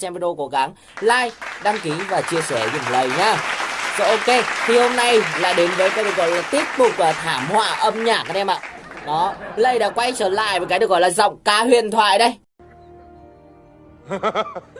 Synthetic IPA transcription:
sɛ˧mpə˧no˧ko˨˦ɣa˨˦ŋ | laː˧jɗaː˧mki˨˦vaː˨˩t͡ɕi˧əsɛ˧˩zʊ̰˨˩ŋ͡mlə˨˩jɲaː˧sɔ̰˧˦ʔo˧ke˧t̪ʰi˨˩ho˧mna˧˩jla̰ː˧˨jɗe˨˦nvəː˨˦jkaː˨˦jɗɨ˨˩ək̚ɣɔ̰˧˨jlaː˨˩t̪i˦˥ət̚t̪ʊ˨˩k͡p̚ʔəː˨˩t̪ʰaː˧˩mhwa̰ː˧˨ʔə˧mɲaː˨˩ʔaː˨˦ʔɛ˧mʔa̰ː˧˨ɗɔ˨˦lə˧˩jɗa̰ː˧˥kwa˧jt͡ɕəː˧˩la̰ː˧˨jvaː˨˦kaː˨˦jɗɨ˨˩ək̚ɣɔ̰˧˨laː˨˩zɔ̰˧˨wŋ͡mkaː˨˦hwḭ˧˨ənt̪ʰwa̰ː˧˨jɗə˧j

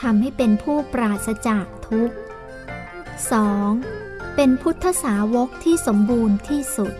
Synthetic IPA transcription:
t̪ʰa˧mha˥˩jpe˧npʰuː˥˩pɾaː˨˩t̪̚sa˧t͡ɕaː˨˩k̚t̪ʰu˦˥k̚ | sɔː˩˦ŋ | pe˧npʰu˦˥t̪ʰːa˧˥saː˩˦wo˦˥k̚t̪ʰiː˥˩so˩˦mbuː˧nt̪ʰiː˥˩su˨˩t̪̚

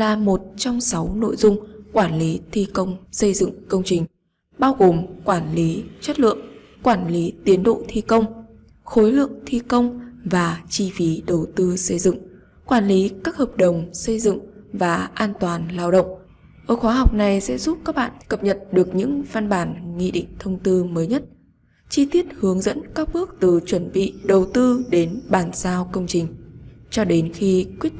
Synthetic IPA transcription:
laː˨˩mo˨˩t̚t͡ɕɔ˧wŋ͡msa˨˦wno̰˧˨jzʊ˧ŋ͡mkwaː˧˩nli˨˦t̪ʰi˧kə˧wŋ͡msə˧jzɨ̰˧˨ŋkə˧wŋ͡mt͡ɕï˨˩ŋ̟ | ɓaː˧wɣo˨˩mkwaː˧˩nli˨˦t͡ɕwə˦˥t̚lɨ̰˧˨ə˨ŋ | kwaː˧˩nli˨˦t̪i˨˦ənɗo̰˧˨t̪ʰi˧kə˧wŋ͡m | xo˨˦jlɨ̰˧˨əŋt̪ʰi˧kə˧wŋ͡mvaː˨˩t͡ɕi˧fi˨˦ɗə˨˩wt̪ɨ˧sə˧jzɨ̰˧˨ŋ | kwaː˧˩nli˨˦kaː˦˥k̚həː˨˩p̚ɗə˨˩wŋ͡msə˧jzɨ̰˧˨ŋvaː˨˩ʔaː˧nt̪waː˨˩nlaː˧wɗə̰˧˨wŋ͡m | ʔəː˧˩xwaː˨˦ɦa˨˩wk͡p̚na˨˩jsɛ̰˧˥zu˦˥p̚kaː˦˥k̚ɓa̰ː˧˨nkə˨˩p̚ɲə˨˩t̚ɗɨ˨˩ək̚ɲɨ̰˧˥ŋva˧nɓaː˧˨˩nŋi˧ɗḭ̈˧˨ŋ̟t̪ʰə˧wŋ͡mt̪ɨ˧məː˨˦jɲə˦˥t̚ | t͡ɕi˧t̪i˦˥ət̚hɨ˨˦əŋzə̰˧˥nkaː˦˥k̚ɓɨ˦˥ək̚t̪ɨ˨˩t͡ɕwə˧˩nɓḭ˧˨ɗə˨˩wt̪ɨ˧ɗe˨˦nɓaː˨˩nzaː˧wkə˧wŋ͡mt͡ɕï˨˩ŋ̟t͡ɕɔ˧ɗe˨˦nxi˧kwi˦˥ət̚

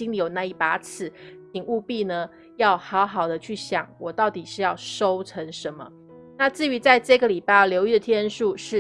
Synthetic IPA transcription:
i˥ŋli˨˥jo˨˩ʊna˥˧i˥˩pa˧˥t͡sʰɹ̩˨˩˦t̪ʰi˨˩ŋu˥˧pi˥˩nə˩ | jɑ˥˩ʊxɑ˧˥ʊxɑ˨˩ʊd̪ə˦t͡ɕʰy˥˩ɕjɑ˨˩˦ŋwɔ˨˩t̪ɑ˥˩ʊt̪i˨˩ʂɻ̩˥˧jɑ˥˩ʊʂo˥ʊt͡sʰə˧˥ŋʂə˧˦nmə̰˧ | na˥˧t͡sɹ̩˥˩y˧˥t͡sa˥˧ɪʈ͡ʂɤ˥˩ɡə˩li˨˩pa˥˩ɪjljo˧˥ʊy˥˩d̪ə˩t̪ʰjɛ˥nʂu˥˧ʂɻ̩˥˩

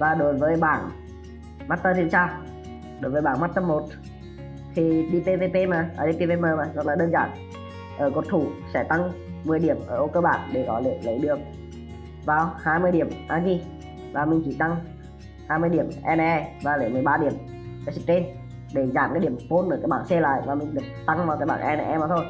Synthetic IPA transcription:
vaː˨˩ɗo˨˦jvəː˨˦jɓa̰ː˧˩n | maː˦˥t̚t̪əː˧t̪ʰi˧ənt͡ɕaː˧w | ɗo˨˦jvəː˨˦ɓaː˧˩ŋmaː˦˥t̚t̪ə˧mːo˨˩t̚ | t̪ʰi˨˩ɗi˧pe˧ve˧pe˧maː˨˩ʔəː˧˩ɗi˧pe˧ve˧məː˧˩maː˨˩sə˦˥laː˨˩ɗəː˧nza̰ː˧˩n | ʔəː˧˩ko˨˩t̚t̪ʰu˧˩sɛ̰˧˥t̪a˧ŋmɨ˨˩əjɗi˧˩əmʔəː˧˩ʔo˧kəː˧ɓa̰ː˧˨nɗe˧˩kɔ˨˦lḛ˧˩˨lə˨˦jɗɨ˨˩ək̚ | vaː˨˩whaː˧jmɨ˧əjɗi˧˩əmʔaː˧ɣi˧ | vaː˨˩mï˨˩ŋ̟t͡ɕi˧˩t̪a˧ŋ | haː˧jmɨ˧jɗi˧˩əmʔɛ˧n˧˨ɛ˧vaː˨˩lə˨˦jmɨ˨˩əjɓaː˧ɗi˧˩əm | kaː˨˦si˧˥k̚t͡ɕe˧n | ɗe˧˩zaː˧˩mkaː˨˦jɗi˧˩ə˨mfo˧nʔə˧˩kaː˨˦j̚ɓaː˧˨nsɛ˧la̰ː˧˨jvaː˨˩mï˨˩ŋ̟ɗɨ˨˩ək̚t̪a˧ŋvaː˨˩wkaː˨˦jɓaː˧˨nʔɛ˧n˧˩ʔɛ˧maː˨˩t̪ʰo˧j

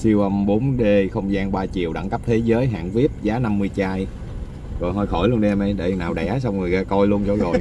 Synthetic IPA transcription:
si˧wʔə˧mɓo˨˦nɗe˧xə˧wŋ͡mzaː˧nɓaː˧t͡ɕi˨˩əwɗa̰ː˧˥ŋka˦˥p̚t̪ʰe˨˦zəː˨˦jɦa̰ː˧˨ŋvi˦˥əp̚zaː˨˦na˧mːɨ˧əjt͡ɕaː˧j | zɔ˨˩jɦɔ˧˩jxɔ˧˩jlu˧ənɗi˧ɛ˧mʔə˧jɗḛ˧˩˨naː˨˩wɗɛ̰˧˩s̬a˧wŋ͡mŋɨ˨˩jɣaː˧kɔ˧jlu˧ənt͡ɕo˧zo˨˩j

